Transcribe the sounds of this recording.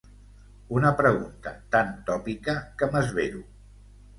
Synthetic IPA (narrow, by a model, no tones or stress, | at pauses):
unəpɾəɣunt̪ət̪ant̪ɔpikəkəməzβeɾu